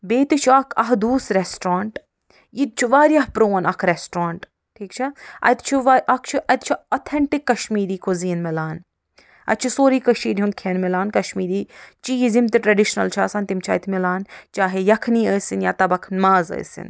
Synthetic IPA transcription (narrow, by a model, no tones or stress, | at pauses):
beːt̪it͡ʃʰɐkʰɐ̰ɦd̪uːsɾesʈɾaːɳʈ | jit̪̚t͡ʃʰuʋaːɾjaɦpɾoːnɐkʰɾesʈɾaːɳʈ | ʈʰiːkt͡ʃʰiɐ̰t̪t͡ʃʰiʋaʔɐkt͡ʃʰiʔɐt̪t͡ʃʰiɐːt̪ʰeɳʈikːɐʃmiːɾiːkʰoziːnmilaːn | ɐ̰t̪̚t͡ʃʰisoːɾiːkɐʃiːɾiunkʰeːnmilaːnkɐʃmiːɾiːt͡ʃiːizimt̪iʈɾɐɖiʃnɐ̰lt͡ʃʰaːsaːnt̪imt͡ʃʰɐ̰jt̪ʰmilaːnt͡ʃaːɦejɐkʰniːəːsinjaːt̪ɐbɐkʰnmaːzə̰ːsḭn